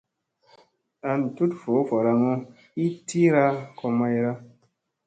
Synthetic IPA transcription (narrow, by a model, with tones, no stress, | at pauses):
a˧n˨tu˦tfo˨˦fo˨ɾa˧ŋo˦ | i˦tʰi˦ɾa˦ko˧ma˧jɾa˦